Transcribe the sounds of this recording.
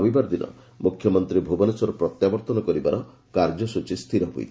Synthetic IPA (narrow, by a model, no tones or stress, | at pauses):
bibaɾd̪inɔ̰ | mukʰːjɔmɔnt̪ɾibʱubɔnesɔɾɔpɾɔt̪jabɔɾt̪ɔnɔkɔɾibaɾɔ | kaɾd͡ʒɔsut͡ʃist̪ʰiɾɔɦṵj̰t̪ʰ